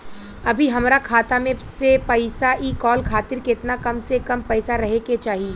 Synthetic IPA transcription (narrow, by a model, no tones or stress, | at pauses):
ɐbʱiɦɐmɾakʰaːt̪amẽsepɐɪsaʔiːkɔːlkʰaːt̪ɪɾkɪt̪nakɐmsekɐmpɛːsaɾɐɦeket͡ʃaːɦieː